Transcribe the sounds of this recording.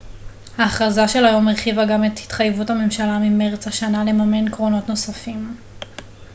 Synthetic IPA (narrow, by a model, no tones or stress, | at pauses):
haːχʁazaʃe̞lajo̞meʁχivaɡamethi̥tχajvuthame̞mʃalamimeʁet͡shaʃanale̞mame̞nkʁo̞no̞tno̞safim